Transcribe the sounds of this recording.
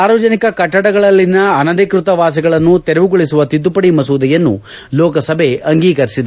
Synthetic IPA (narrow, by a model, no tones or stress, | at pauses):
aːɾɔːd͡ʒɐnikɐkɐʈːɐɽɐɡɐɭɐlːinɐːnɐd̪ikɾut̪ɐʋaːs̬iɡɐɭɐnːut̪eɾɛʋuɡoɭisuʋɐt̪id̪ːupɐɽimɐsuːd̪ɐjɐnːṵ | lɔːkɐsɐbʱe̞ʔɐŋɡiːkɐɾisid̪e